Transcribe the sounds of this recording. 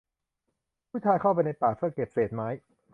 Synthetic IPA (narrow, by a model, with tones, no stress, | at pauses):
pʰuː˥˩t͡ɕʰaː˧jkʰa˥˩wp̬a˧jna˧jpaː˨˩pʰɯ˥˩ke˨˩p̚seː˨˩t̪̚maː˦˥j